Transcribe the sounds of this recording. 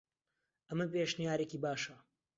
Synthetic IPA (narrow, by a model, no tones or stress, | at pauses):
ʔɐmɐpeːʃnijaːɾekiːbaːʃɐ